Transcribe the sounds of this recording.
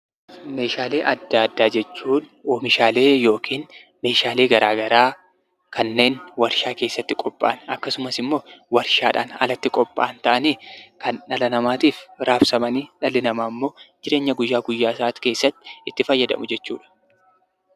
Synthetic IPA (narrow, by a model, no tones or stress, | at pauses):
me̞ːʃaːle̞ːʔɐd̪ːaːd̪ːaːd͡ʒɛt͡ʃːuːnoːmɪʃaːle̞ːjo̞ːkʰiːn | me̞ːʃaːle̞ːɡɐɾaːɡɐɾaː | kʰɐnːe̞ːnwɐɾʃaːke̞ːsːɐt̪ːɪkʼɔpʼːa̰ːnɐkːɐsʊmɐsɪmːo̞ːwɐɾʃaːᶑa̰ːnɐ̰lɐt̪ːɪkʼɔpʼːa̰ːnt̪ɐʔɐniːkɐnᶑɐlɐnɐmaːt̪iːfɾaːfsɐmɐniːᶑɐlːɪnɐmaːmːo̞ːd͡ʒɪɾe̞ːɲːɐɡʊjːaːɡʊjːaːsaːt̪ke̞ːsːɐt̪ːɪ̥ɪt̪ːɪfɐjːɐd̪ɐ̰mʊd͡ʒɛt͡ʃːuːᶑɐ̥